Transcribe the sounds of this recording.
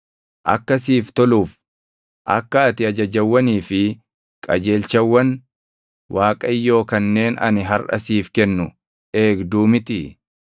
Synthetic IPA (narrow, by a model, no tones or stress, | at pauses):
ʔɐ̰kːɐsiːft̪ɔluːf | ʔɐ̰kːɐɐt̪ɪɐd͡ʒɐd͡ʒɐwːɐniːfɪ | kʼɐ̰d͡ʒe̞ːlt͡ʃɐwːɐn | wʔaːkʼɐɪjːo̞ːkɐnːe̞ːnɐ̰nɪɦɐɾʔɐ̰siːfkɛnːʊ | ʔe̞ːɡd̪uːmɪt̪ɪ